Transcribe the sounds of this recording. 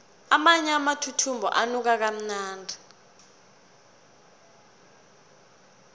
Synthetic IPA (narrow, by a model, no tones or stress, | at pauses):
amaɲamatʰutʰumbʱɔ̰ʔanuk̬ak̬am̩naːndʱi